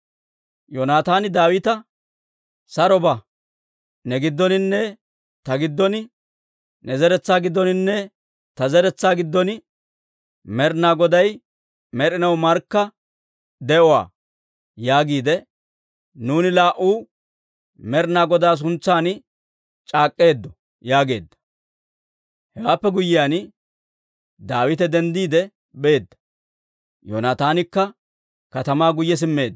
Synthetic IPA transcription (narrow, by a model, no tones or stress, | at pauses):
jonaːt̪aːnɪd̪aːwɪt̪ɐ | sɐɾɔbɐ | nɛɡɪd̪ːɔnɪnːɛ | t̪ɐɡɪd̪ːɔnɪ | nɛzɛɾɛt͡sːaːɡɪd̪ːɔnɪnːɛ | t̪ɐzɛɾɛt͡sːaːɡɪd̪ːɔnɪ | mɛɾnaːɡɔd̪ɐj | mɛɾɪnɐwmɐɾkːɐ | d̪ɛʔɔwa̰ː | jaːɡiːd̪ɛ | nuːnɪlaːʔuː | mɛɾnaːɡɔd̪aːs̬ʊnt͡sːaːn | t͡ʃʼaːkʼːe̞ːd̪ːɔ | jaːɡe̞ːd̪ːɐ̥ | hɛɡaːpːɛɡʊjːɪjaːn | d̪aːwɪt̪ɛd̪ɛnd̪iːd̪ɛ | be̞ːd̪ːɐ̥ | jo̰nat̪aːnɪkːɐ | kɐt̪ɐmaːɡʊjːɛs̬ɪmːe̞ːd̪ː